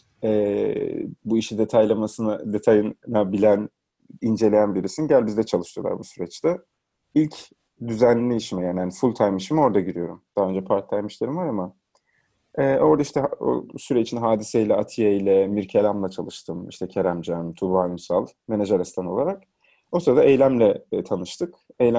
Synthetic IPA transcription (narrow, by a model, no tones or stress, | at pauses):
ɛː | buiʃid̪et̪ʰajlʲˠamasnad̪e̞t̪ʰajɯnnabilʲæn | ind͡ʒe̞lʲejænbiɾisinɟælʲbizd̪ɛt͡ʃʰalˠɯʃt̪ʰɯjo̞lˠa̰ɾbusyɾɛt͡ʃt̪ɛ | ilʲc | d̪yzænʲlʲiiʃimɛjaːnihanifulʲˠt̪ʰajmiʃimo̞ɾd̪aɟiɾijo̞ɾumd̪̥aɦaø̞nd͡ʒɛpʰaɾt̪lˠajmɯʃlˠeɾimaɾama | ɛːo̞ɾd̪aiʃt̪ʰɛo̰syɾɛit͡ʃʰinɦaːd̪iseilʲɛat̪ʰijeilʲɛmiɾcʰelʲamlˠat͡ʃʰalˠɯʃt̪ʰɯmiʃt̪ʰɛcʰeɾæmd͡ʒanmt̪ʰulˠaːjumsalˠ | me̞neʒeɾɛst̪ʰano̞lˠaɾak̚ | osyɾɛd̪aejlʲæmlʲɛt̪ʰanɯʃt̪ʰɯk | ejlʲæ